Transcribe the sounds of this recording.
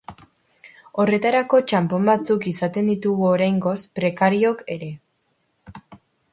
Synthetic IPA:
o̞re̞t̪aɾako̞t͡ʃampo̞mbat͡sukisat̪e̞nd̪it̪uɣuoɾajŋɡo̞spɾe̞kaɾio̞ke̞ɾe̞

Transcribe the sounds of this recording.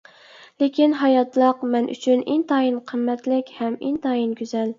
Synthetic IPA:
lekʲinɦɑjɑt̪lˠɑqmɛnʔy̰t͡ʃʰynʔint̪ʰɑːjinqʰəmːɛt̪lɪkʲhɛmḭnt̪ʰɑːjinkʲyzɛl

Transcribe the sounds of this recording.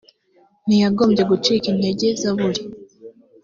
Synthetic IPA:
nijaɡomɟeɡut͡ʃikineɟezaβuɾi

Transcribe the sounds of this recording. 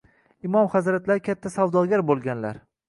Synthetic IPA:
ɪmɒmχazɾat̪laɾɪkʲʰat̪ʰːasawd̪ɒɡʲaɾbolˠɡʲanla̰ɾ

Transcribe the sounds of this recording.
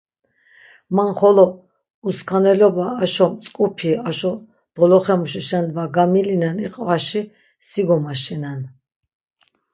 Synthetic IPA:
manχɔlɔ | uskʰanɛlɔbaːʃɔmt͡sʼkʼupʰiaʃɔ | d̪̥ɔlɔχɛmuʃ̬iʃɛnvaɡamilinaniqʼvaʃi | siɡɔmaʃɛnan

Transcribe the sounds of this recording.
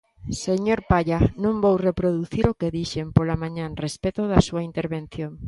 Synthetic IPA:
seɲoɾpaʎanõmbowrepɾoðuθiɾokeðiʃempolamãɲãnrespet̪oðasuaint̪eɾβen̟θjoŋ

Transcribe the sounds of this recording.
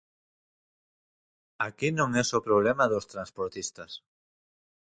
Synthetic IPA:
akinõŋɛsopɾoβlɛmaðost̪ɾanspoɾt̪ist̪ɐs

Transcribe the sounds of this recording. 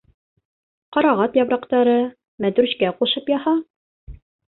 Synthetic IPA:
qɑɾɑʁɑt̪jɑbɾɑqt̪ɑɾɤ | mæd̪ɾʉɕkæquʃɤpjɑhɑ

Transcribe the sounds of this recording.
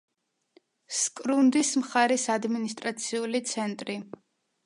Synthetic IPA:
skʼɾund̪ismχaɾɛsad̪minist̪ʼɾat̪sʰiulit̪sʰɛnt̪ʼɾi

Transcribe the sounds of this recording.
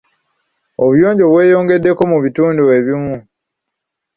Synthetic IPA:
oβjoːɲɟo̞βwe̞ːjo̞ːŋɡe̞dːe̞ko̞muβituːndueβimu

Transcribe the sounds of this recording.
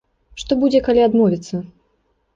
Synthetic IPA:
ʂt̪ɔbud͡zʲɛkalʲiad̪mɔvʲɛt̪sːɐ

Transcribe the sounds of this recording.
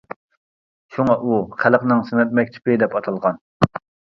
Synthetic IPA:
ʃuŋɑʔuχʰælqnɨŋsɨnɛt̪̚mɛk̚ʲt̪ʰɪ̥pɪd̪ɛpɑt̪ʰɑlˠʁɑn

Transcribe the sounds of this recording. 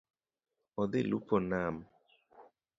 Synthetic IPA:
ɔd̪elṵpɔnam

